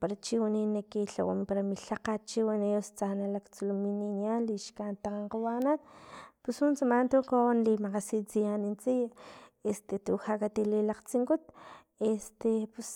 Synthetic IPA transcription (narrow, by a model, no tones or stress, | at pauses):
paɾat͡ʃiwaninakiɬa̰wa̰mpaɾamiɬaqat͡ʃiwanejost͡sanalakt͡sulumininianliʃkant̪aqaɴqawanat̪pushunt͡samant̪uqonlimaqasit͡sijanint͡sijaest̪et̪uhakat̪ililaqt͡siŋkut̪ | est̪epus